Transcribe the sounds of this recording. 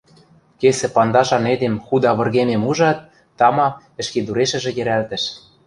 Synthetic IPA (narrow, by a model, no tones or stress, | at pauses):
kesĕpɑnd̪ɑʃɑned̪emxud̪ɑβɤ̆rɣememuʒɑt̪ː | ɑmɑ | ɘ̆ʃked̪uɾeʃɘ̆ʒĕjɘ̆ɾælt̪ɘ̆ʃ